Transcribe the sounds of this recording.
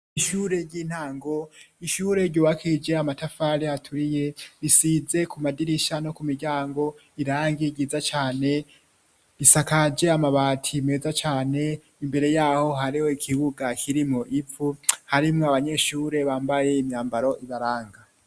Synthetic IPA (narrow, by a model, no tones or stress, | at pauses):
iʃuɾe̞ɾɟiːn̥haːŋɡo̞iʃuːɾe̞ɾɟoːβakʰid͡ʒe̞amatafaɾihatʰuɾije̞ɾisize̞kumadiɾiʃano̞kumiɾɟaːŋɡo̞ | iɾaːŋɡiɡizat͡ʃaːne̞ | βisakad͡ʒe̞amaβaːtʰimezat͡ʃaːne̞ | imbe̞ɾe̞jaːho̞ɦaɾiho̞ikʰiβuɡakʰiɾimŋo̞ʔip͡ffuhaɾimŋoaβaɲe̞ʃuːɾe̞βaːmbaje̞imɲaːmbaɾo̞ʔiβaɾaːŋɡa